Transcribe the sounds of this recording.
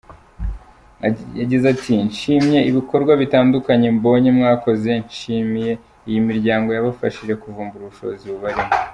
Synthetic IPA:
aɟizatʰinʃimɲe̞iβiko̞ɾɡwaβitaːndukaɲe̞mbo̞ːɲemŋaːko̞ze̞nʃimije̞ | ijimiɾɟaːŋɡo̞jaβafa̰ʃiʒe̞kuvuːmbuɾuuʃo̞̰ːziβuβaɾimo

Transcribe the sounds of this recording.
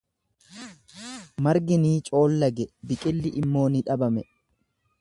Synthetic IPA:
mɐɾɡɪniːt͡ʃʼo̞ːlːɐɡɛbɪkʼɪlːɪʔɪmːo̞ːnɪᶑɐbɐmɛ

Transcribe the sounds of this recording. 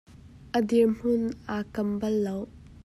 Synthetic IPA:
ʔəd̪iɹm̥ʊnʔakɐmbɐlːow

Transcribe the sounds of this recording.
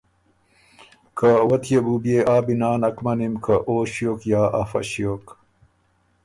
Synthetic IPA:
kʰɐwɐt̪ʰjebubijeʔaːbinaːnɐkmɐnimkʰɐʔoːɕijoːkjaːʔɐfɐ̰ɕjoːk

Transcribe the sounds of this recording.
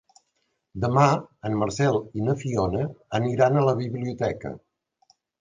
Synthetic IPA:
d̪əmaənməɾsɛlˠinəfionəːniɾanələβiβliut̪ɛkə̰

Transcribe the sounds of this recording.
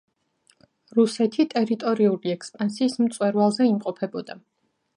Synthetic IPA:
ɾusɛt̪ʰit̪ʼɛɾit̪ʼɔɾiuliɛkspʼansiːsm̩t̪sʼwɛɾwalˠzɛimqʼɔpʰɛbɔd̪a

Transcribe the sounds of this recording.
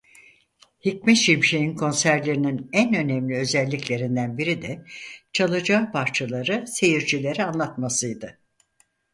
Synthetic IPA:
hic̚mɛt̪ʃiɾmʃejinkʰo̞nsæɾlʲe̞ɾininænø̞nemlʲiø̞zɛlʲːiclʲe̞ɾind̪ænbiɾid̪ɛt͡ʃʰalˠɯd͡ʒaːpʰaɾt͡ʃʰalˠaɾɯse̞jiɾd͡ʒʰilʲe̞ɾianlˠat̪masɯjd̪ɯ

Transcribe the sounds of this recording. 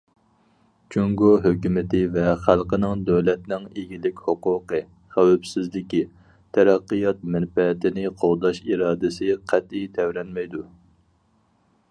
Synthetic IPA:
t͡ʃʰuŋɡoɦøkʲymɪt̪ʰɪvɛχælˠqənɪŋd̪øwlɛt̪̚nɪŋeɡʲilɪkʲhoqʊːqə | χæwɛbsɪzlɪkʲi | t̪ʰæɾɑqːɨjɑt̪̚mɛnpɛt̪ɪnɪqʰolˠd̪ɑʃiɾɑːd̪ɪsɪqʰæt̪ijt̪ʰɛwɾɛnmɛjd̪u

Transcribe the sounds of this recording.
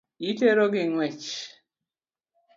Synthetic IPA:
iteɾoɡɪŋwɛt͡ʃ

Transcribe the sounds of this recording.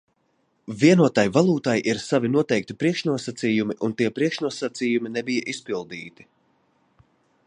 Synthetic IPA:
viɛnuɔt̪ajvalˠuːt̪ajʔiɾsavinuɔt̪ɛjk̚t̪ipɾiɛkʃnuɔsat̪siːjumiʔunt̪iɛpɾiɛkʃnuɔsat̪siːjuminɛbijaʔispilˠd̪iːt̪i̥

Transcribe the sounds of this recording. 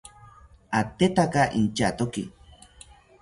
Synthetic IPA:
at̪et̪akaʔint͡ʃat̪okḭ

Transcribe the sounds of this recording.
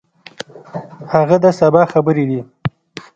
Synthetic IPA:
haɣad̪asabɑxabəɾed̪i

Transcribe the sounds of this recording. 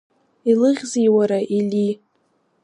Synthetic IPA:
ilɨʁʲzijwaɾaʔili

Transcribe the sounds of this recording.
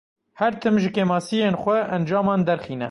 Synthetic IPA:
hɛɾt̪ʰɨmʒɨkeːmɑːsijeːnxʷɛʔɛnd͡ʒɑːmɑːnd̪ɛɾxiːnɛ̰

